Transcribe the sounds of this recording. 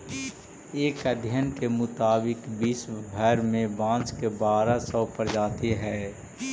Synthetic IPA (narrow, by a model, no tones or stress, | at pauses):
eːkəd̪ʱjənkemʊt̪aːbɪkbiːsbʱəɾmẽbãːt͡ʃkebaːɾasɔːpəɾd͡ʒaːt̪eɦɛː